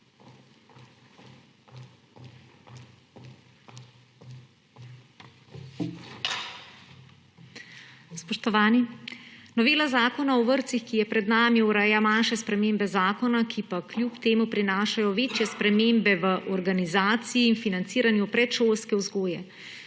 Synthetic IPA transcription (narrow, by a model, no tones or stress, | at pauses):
spɔʃt̪ɔʋaːninɔʋeːlazaːkɔnaɔʋəɾt̪sixkijɛpɾɛd̪naːmiuɾɛjamanʃɛspɾɛmeːmbɛzaːkɔnakʰipaklʲjupt̪eːmupɾinaːʃajɔʋeːt͡ʃjɛspɾɛmembɛʋəʔɔɾɡanizaːt̪siiːnfinant̪siːɾanjupɾɛt̪ʃoːlskɛwzɡoːjɛ